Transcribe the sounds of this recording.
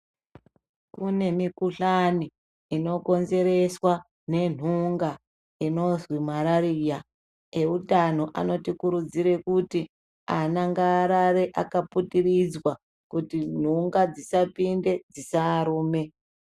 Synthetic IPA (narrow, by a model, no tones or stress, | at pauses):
kune̞mikuɬani | ino̞ko̞nze̞ɾe̞swa | ne̞n̤uŋɡa | ino̞zwimaɾaɾija | e̞utano̞ʔa̰no̞tikuɾud͡ziɾe̞kuti | anaŋɡaːɾaɾe̞ʔakaputirid͡zwa | kutin̤uŋɡad͡zisapinde̞d͡zisaːɾuːme̞